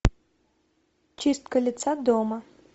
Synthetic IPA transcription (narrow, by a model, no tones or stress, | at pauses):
t͡ʃɪst̪kɔlʲit̪sad̪ɔmɐ